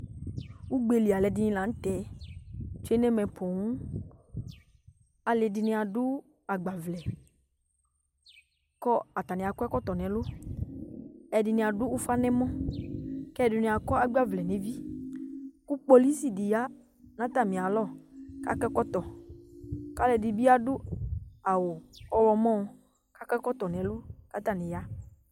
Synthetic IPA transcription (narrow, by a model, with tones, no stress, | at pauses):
wu˦ɡ͡be˨li˨a˨lɛ˨dɪ˨nĩ˦lã˨n̩˦t̪ɛ˨˦ | t͡ʃu˦e˦nɛ˦mɛ̃˨pʰɔ˨ŋũ˦ | a˨lɪ˨dɪ˨nɪ̃˧˦a˨dʊ˦ | a˨ɡ͡ba˨vlɛ˨ | kɔ˦a˨t̪a˨nɪ̃˨a˨kɔ˦ɛ˦kɔ˦t̪ɔ˨nɛ̃˨lʊ˦ | ɛ˨dɪ˨nɪ̃˨a˨dʊ˦u˦fa˦nɛ̃˦mɔ̃˦ | kɛ˦˨dʊ˨nɪ̃˨a˨kɔ˦a˦ɡ͡ba˦vlɛ˨nẽ˨vi˦ | kʊ˦k͡po˦li˦si˨dɪ˨ja˦ | nã˦t̪a˦˨mĩ˨a˨lɔ˦ka̰˦kɛ˦kɔ˦t̪ɔ˨ | ka˦lɛ˨dɪ˨bi˦a˦dʊ˦a˨wʊ˨ɔ˨wɔ˨mɔ̃˦ | ka˦kɛ˦kɔ˦t̪ɔ˨nɛ̃˨lʊ˦ka˦t̪a˨nɪ̃˨ja˨˦